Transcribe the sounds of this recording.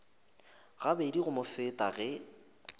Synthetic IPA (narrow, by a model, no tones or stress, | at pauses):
ɣabediɣʊmʊfɪtʼaɣɛ